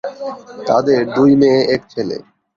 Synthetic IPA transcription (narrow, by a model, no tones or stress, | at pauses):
t̪a̰d̪eɾd̪ujmeeʈ̚t͡ɕʰelḛ